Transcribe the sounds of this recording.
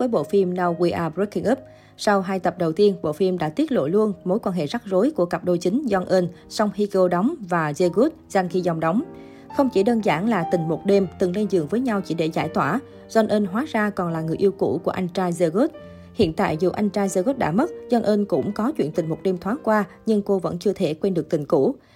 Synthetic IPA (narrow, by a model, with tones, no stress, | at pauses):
vəː˨˦jɓo̰˧˨fi˧mna˧wɣwi˧ʔaː˧ɾu˦˥kːi˧ŋʔɨ˦˥p̚ | sa˧wɦaː˧jt̪ə˨˩p̚ɗə˨˩wt̪i˧ənɓo̰˧˨fi˧mɗa̰ː˧˥t̪i˦˥ət̚lo̰˧˨lu˧ənmo˨˦jkwaː˧nɦḛ˧˨za˦˥k̚zo˨˦jku˧˩əkə˨˩p̚ɗo˧jt͡ɕï˨˦ŋ̟za˧nʔəː˧nsa˧wŋ͡mhi˧kə˧ɗɔ˨˦wŋ͡mvaː˨˩zə˧ɣu˦˥t̚z̥a˧ŋxi˧za˨˧˩wŋ͡mɗɔ˨˦wŋ͡m | xə˧wŋ͡mt͡ɕi˧˩ɗəː˧nzaː˧˩ŋlaː˨˩t̪ï˨˩ŋ̟mo˨˩t̚ɗe˧mt̪ɨ˨˩ŋlə˧jzɨ̰˨əŋvəː˨˦jɲa˧wt͡ɕi˧˩ɗe˧˩za̰ː˧˩jt̪waː˧˩ | zwa˧nʔəː˧nɦwaː˨˦zaː˧kɔ˨˩nlaː˨˩ŋɨ˨˩əʔi˧əwkṵ˧˩ku˧˩əʔa˧jŋ̟t͡ɕaː˧zə˧ɣu˦˥t̚ | hḭ˧˨ənt̪a̰ː˧˨jzṵ˨˩ʔa˧jŋ̟t͡ɕaː˧zəː˧ɣo˦˥t̚ɗa̰ː˧˥mə˦˥t̚zɔ˧nʔəː˧nkʊ̰˧˥ŋ͡mkɔ˨˦t͡ɕwḭ˧˨nt̪ï˨˩ŋ̟mo˨˩t̚ɗe˧mt̪ʰwaː˨˦nkwaː˧ | ɲɨ˧ŋko˧və̰˧˥nt͡ɕɨ˧ət̪ʰe˧˩kwe˧nɗɨ˨˩ək̚t̪i˨˩ŋ̟kṵ˧˥